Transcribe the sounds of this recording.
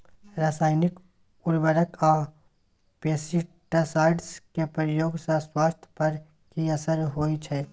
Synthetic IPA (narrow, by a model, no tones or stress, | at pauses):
ɾaːsaːɪnɪk | ʊɾbəɾəkaː | peːsi | ʈasaːɪɖskepɾəjoːɡsaswaːst̪ʰjpɐɾ | kiɐsəɾɦoːit͡ʃʰɛː